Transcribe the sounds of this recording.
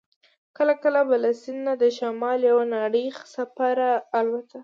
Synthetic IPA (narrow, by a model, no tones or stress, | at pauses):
kəlakəlabalasɪnːad̪əʃamɑljawanaɽixsafaɾaːlbat̪a